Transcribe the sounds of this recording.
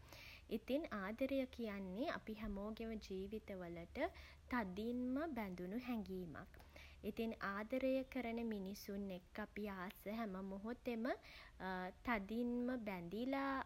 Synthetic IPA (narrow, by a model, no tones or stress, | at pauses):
it̪inaːd̪əɾəjəkijanːea̰piɦæmoːɡeʋəd͡ʒiːʋit̪əʋələʈə | t̪ad̪inməbænd̪unuɦɛŋɡiːma̰k | it̪inaːd̪əɾəjəkəɾənəminisunːekːapiaːsəɦæməmoɦot̪emə | t̪ad̪inməbænd̪ilaː